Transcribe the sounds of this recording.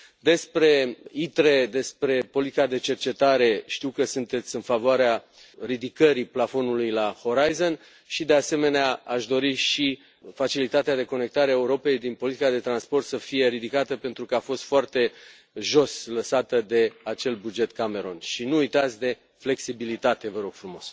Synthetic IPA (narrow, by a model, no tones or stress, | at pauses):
d̪e̞spɾe̞it̪ɾe̞d̪e̞spɾe̞po̞lit̪ikad̪e̞t͡ʃe̞rt͡ʃe̞t̪aɾe̞ʃt̪iwkəsunt̪e̞t̪sʲɨnfavoaɾea | rid̪ikəɾiplafo̞nulujlaho̞ɾajzo̞n | ʃid̪e̞ase̞me̞neaaʃd̪o̞ɾiʃi | fat͡ʃilit̪at̪ead̪e̞ko̞ne̞k̚t̪aɾeae̞uɾo̞pe̞jd̪inpo̞lit̪ikad̪e̞t̪ɾanspo̞rt̪səfije̞ɾid̪ikat̪əpe̞nt̪ɾukəafo̞st̪foart̪e̞ | ʒo̞sləsat̪əd̪e̞at͡ʃe̞lbud͡ʒe̞t̪kame̞ɾo̞nʃinuːjt̪at̪sʲd̪e̞ | fle̞ksibilit̪at̪e̞vəɾo̞ɡ̥fɾumo̞s